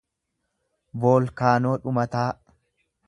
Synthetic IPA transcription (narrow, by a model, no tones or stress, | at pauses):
boːlkaːno̞ːᶑʊmɐt̪aː